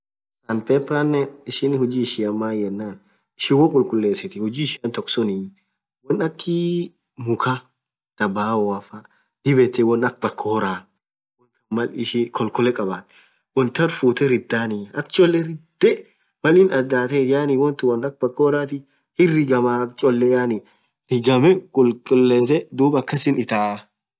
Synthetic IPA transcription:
sɐnpɛpːanːɛɪʃɪnhʊd͡ʒiːɪʃɪɐmːaːjɛnːaːn | ɪʃɪwɔkʼʊlkʼʊlːe̞ːsɛt̪ɪhʊd͡ʒiːɪʃɪɐnt̪ɔksɔnɪ | wɔnɐkʰːɪ | mʊkʰa | d̪̥ɐbaːɔwafɐ | d̪̥ɪbɛt̪ːɪwɔnɐk̚bɐkʰːoːɾaː | wɔnt̪ɐmɐlɪʃɪkʰɔlkɔlɛkʼɐbaːt̪ | wɔnt̪ɐɾfuːt̪ɛɾɪd̪ːaːnɪɐkt͡ʃʼɔlːɛɾɪd̪̥ɛ | wɐlɪnɐd̪aːt̪ɛjaːnɪwɔnt̪ɪwɐnɐk̚bɐkːoːɾaːt̪ɪ | hɪrɪɡɐmakt͡ʃʼɔlːɛjaːnɪ | ɾɪɡɐmɛkʼʊlkʼʊlːeːsɛd̪uːbɐkːɐsɪnɪt̪aː

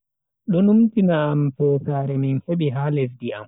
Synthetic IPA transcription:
ɗɔnumtinaːmfɔsaːɾɛminheɓiɦaːlɛsdia̰m

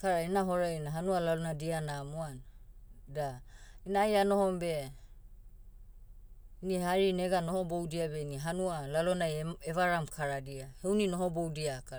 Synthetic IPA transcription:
kaɾainaɦoɾainaɦanualalonadianamoanadainajano̞ɦombe̞ | inihaɾineɡanohobowdiabeiniɦanualalonajeβaɾamkʰaɾadiahewninoɦobowdiaka

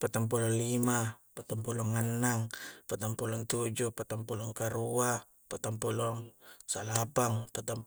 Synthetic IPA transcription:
pat̪aŋp̬ulɔŋlimapat̪ampulɔŋanːaŋpat̪ampulɔŋt̪ud͡ʒupat̪aŋpulɔŋkaɾua | pat̪ampulɔŋsalapaŋpat̪am

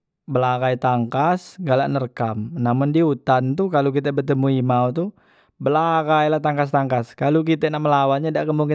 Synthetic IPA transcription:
bəlaɡajt̪aŋkasɡalaʔnərkamnamʊndiut̪ant̪ukalok̬it̪ɛbət̪əmuimawt̪u | bəlaɡajlat̪aŋkas̬t̪aŋkaskaluk̬it̪ɛnaʔməlawanɲadaʔkəmuŋkɪ

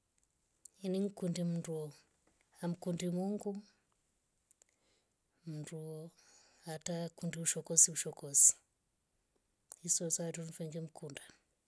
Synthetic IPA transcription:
iniŋ̩kundim̩ndu | am̩kundimuŋɡu | m̩ndu | atakundiuʃɔkɔsiuʃɔkɔsi̥ | isɔsaatunfɛŋɡɛm̩ukunda

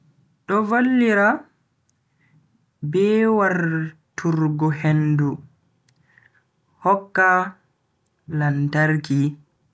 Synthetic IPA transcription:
ɗɔvolːiɾa | bɛwaɾtʰuɾɡɔhendu | hɔkːa | lantaɾki

